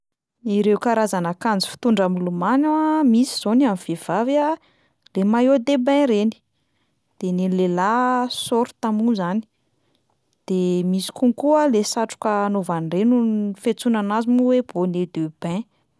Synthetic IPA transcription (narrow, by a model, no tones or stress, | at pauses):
iɾewkaɾazanakand͡zi̥fi̥t̪uɳɖ͡ʐamilumanamisi̥z̥onamiv̥ev̥ava | lemajod̪ebɛ̃ɾeni̥ | d̪̥enenilelasoɾu̥t̪amuzani̥ | d̪̥emisi̥kuŋkualesaʈ͡ʂu̥kəːnovanrenuifet͡sunanazimuweb̥oned̪eb̥ɛ̃